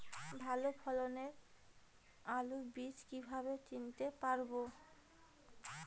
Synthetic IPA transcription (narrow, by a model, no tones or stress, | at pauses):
bʱalopʰɔloneɾ | alubid͡ʑkibʱaβet͡ɕint̪epaɾbo